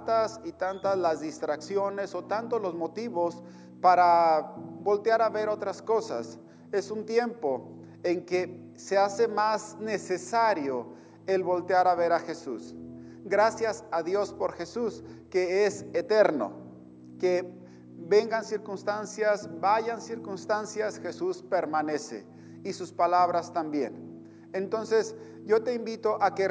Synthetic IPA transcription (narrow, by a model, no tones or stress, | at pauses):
t̪asit̪ant̪azlazðist̪ɾaksjo̞ne̞so̞t̪ant̪olo̞zmo̞t̪iβo̞s | paɾa | bo̞lt̪jaɾaβe̞ɾo̞t̪ɾasko̞sa̰s | e̞sunt̪je̞mpo̞ | eŋke̞ | se̞ase̞mazne̞se̞saɾjo̞ | e̞lβo̞lt̪eaɾaβe̞ɾaxe̞sus | ɡɾasjasaðjo̞spo̞ɾxesuskeeset̪eɾno̰ | ke | be̞ŋɡansiɾkunst̪ansjasbaʝansiɾkunst̪ansjasxe̞suspe̞ɾmane̞sḛ | isuspalaβɾast̪ambje̞̰n | ent̪o̞nse̞s | ʝo̞t̪e̞imbit̪oʔake